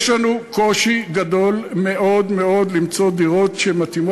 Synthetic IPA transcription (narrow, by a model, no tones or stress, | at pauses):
ʃlanuko̞ʃiɡado̞lme̞ʔo̞d̪me̞o̞d̪limt͡so̞d̪iʁo̞t̪ʃemat̪imo